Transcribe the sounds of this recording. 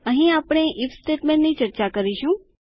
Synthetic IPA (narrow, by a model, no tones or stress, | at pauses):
əɦĩapɽ̃eʔifsʈeʈmẽɳʈnit͡ʃəɾt͡ʃakəɾiʃũ